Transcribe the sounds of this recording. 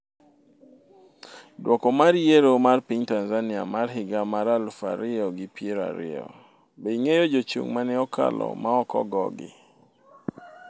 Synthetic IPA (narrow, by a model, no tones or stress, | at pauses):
dwʔɔkɔmaɾijeɾomarpiɲtanzanɪa̰marɦɪɡamaɾalfa̰ɾɪɔɡɪpieɾa̰ɾɪ̰ɔ̰ | beiŋejod͡ʒot͡ʃṵŋmanɛɔka̰lɔ̰maɔkɔ̰ɡɔɡɪ̰